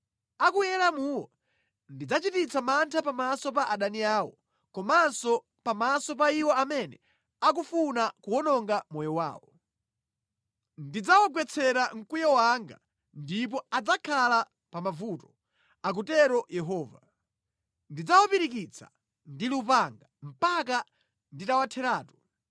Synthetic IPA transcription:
akujɛlamuːwɔ | ndid͡zat͡ʃitit͡sʰamantʰapamasɔpaʔaɗaniaːwɔ̰ | kɔmansɔ | pamasɔpaiwɔamɛnɛ | ak̬ufunakuwɔnɔŋɡamɔjɔwa̰ːwɔ | ndid͡zawɔɡwɛt͡sʰɛɾaŋ̩kujɔwaŋɡa̰ | ndip̬ɔad͡zakʰala | pamavutɔ̥ | ak̬utɛɾɔjɛɦɔːva | ndid͡zawɔpiɾik̬it͡sʰḁ̰ | ndiliupaŋɡam̩paka | nditawatʰɛɾaːtɔ̥

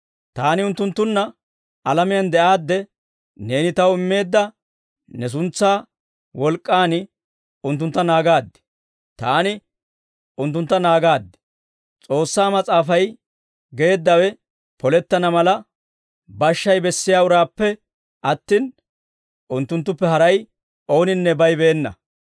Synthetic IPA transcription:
t̪aːnɪʊnt̪ːʊnt̪ːʊnːɐ | ɐlɐmɪjɐnd̪ɛʔaːd̪ːɛ | ne̞ːnɪt̪ɐwɪmːe̞ːd̪ːɐ | nɛs̬ʊnt͡sːaː | wɔlkʼːaːnɪ | ʊnt̪̬ːʊnt̪ːɐnaːɡaːd̪ːɛ̥ | t̪aːnɪ | ʊnt̪̬ːʊnt̪ːɐnaːɡaːd̪ːɛ̥ | t͡sʼo̞ːsːaːmɐt͡sʼaːfɐj | ɡe̞ːd̪ːɐwɛ | pɔlɛt̪ːɐnɐmɐlɐ | bɐʃːɐjbɛsːɪjaːʊɾaːpːɛ | ʔɐt̪ːiːn | ʔʊnt̪ːʊnt̪̬ːʊpːɛɦɐɾɐj | ʔo̞ːnɪnːɛbɐjbeːnːɐ̰

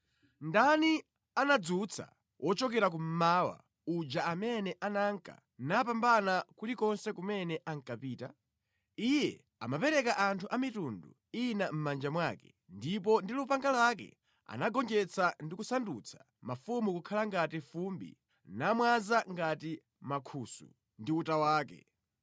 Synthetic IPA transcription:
ndani | anad͡zut͡sʰa̰ | wʔɔt͡ʃɔkɛɾak̬um̩mawa̰ | ud͡ʒaamɛnɛʔanaŋka̰ | nap̬ambanakulikɔnsɛkumɛnɛʔaŋkapiːta | ijɛ̰ | a̰mapɛɾɛkaʔantʰuʔamitundṵ | inam̩mand͡ʒamwakɛ̥ | ndip̬ɔndilupaŋɡalwak̬ɛ̰ | a̰naɡɔnd͡ʒɛt͡sʰandikusandut͡sʰḁ | mafumukukʰalaŋɡatifumbḭ | namwazaŋɡati | makʰuːsṵ | ndiutawaːkɛ̰

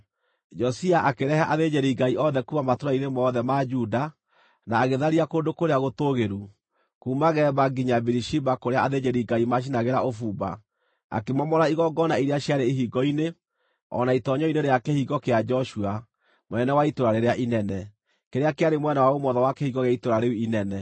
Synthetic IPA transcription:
d͡ʒɔsiaʔakeɾɛhaʔaðed͡ʒeɾiiɡaiʔɔðɛkumamatoɾainemɔːðɛmad͡ʒuːda | naːɣeðaɾiakondokoɾeaɣotoɣeɾu | kuːmaɣɛːbaɡiɲabiɾiʃibakoɾeaaðed͡ʒeɾiɡaimaʃ̬inaɣeɾaofuːba̰ | a̰kemɔmɔɾaiɣɔɡɔnaiɾeaɕjaɾeiɦiɡɔine | ɔ̰naitɔɲɔineɾeakehiɣɔkead͡ʒɔʃua | monɛnɛwaitoɾaɾeɾeaʔinɛnɛ | keɾeakeaɾemwɛnawaomɔðɔwakehiɣɔɣeaitoɾaɾeuinɛnɛ

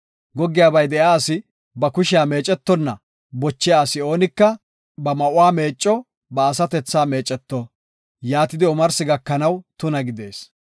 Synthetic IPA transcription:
ɡɔɡːɪjaːbɐjd̪ɛjaːsɪ | bɐkʊʃɪjaːme̞ːt͡ʃʼːɛt̪ːɔnːɐ | bɔt͡ʃːɪjaːsɪo̞ːnɪkːɐ | bɐmɐʔʊwaːme̞ːt͡ʃʼːɔ | bɐːsɐt̪ɛt͡sːaːme̞ːt͡ʃʼːɛt̪ːɔ | jaːt̪ɪd̪ɪɔmɐɾsɪɡɐkːɐnɐwt̪ʊnɐɡɪd̪e̞ːs

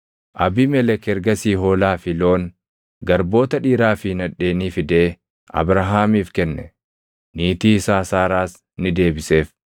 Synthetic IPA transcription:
ʔɐbimɛlɛkɛɾɡɐsiːɦoːlaːfɪlo̞ːn | ɡɐɾbo̞ːt̪ɐᶑiːɾaːfɪnɐᶑe̞ːniːfɪd̪eː | ʔɐ̰bɾɐɦaːmiːfkɛnːɛ | niːt̪iːsaːsaːɾaːs | nɪd̪e̞ːbɪse̞ːf

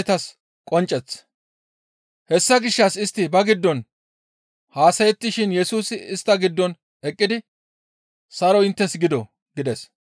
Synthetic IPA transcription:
t̪ɐs | kʼɔnt͡ʃʼːɛt͡sː | hɛsːɐɡɪʃːɐsɪst̪ːɪbɐɡɪd̪ːɔn | haːsɐjɛt̪ːɪʃɪnjɛsuːsɪɪst̪ːɐɡɪd̪ːɔn | ɛkʼːɪd̪ɪ | sɐɾɔɪnt̪ːɛsɡɪd̪ɔ | ɡɪd̪ɛs

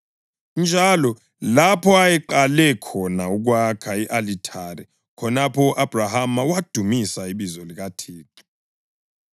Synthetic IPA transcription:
nd͡ʒʱalɔ | lapʰɔajɛǃalɛkʰɔnauk̬wakʰaiʔalitʰaɾɛ | kʰɔnapʰɔuʔab̥ʱrahamawad̥ʱumisaiɓizɔlik̬atʰiːǁi̥

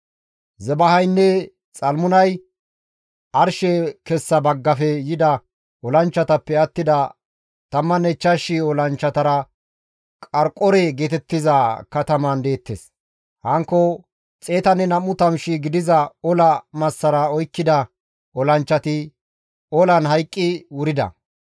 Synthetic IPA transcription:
zɛbɐhɐjnːɛ | t͡sʼɐlmʊnɐj | ɐɾʃɛkɛsːɐbɐɡːɐfɛjɪd̪ɐ | ɔlɐnt͡ʃːɐt̪ɐpːɛɐt̪ːɪd̪ɐ | t̪ɐmːɐnɛt͡ʃːɐʃɪɔlɐnt͡ʃːɐt̪ɐɾɐ | kʼɐɾkʼɔɾɛɡeːt̪ɛt̪ːɪzɐkɐt̪ɐmɐnd̪e̞ːt̪ːes | hɐŋkːɔ | t͡sʼe̞ːt̪ɐnːɛnɐmːʊt̪ɐmʃɪɡɪd̪ɪzɐɔlɐmɐsːɐɾɐɔjkːɪd̪ɐ | ɔlɐnt͡ʃːɐt̪ɪ | ɔlɐnɦɐjkʼːɪwʊɾɪd̪ɐ̰

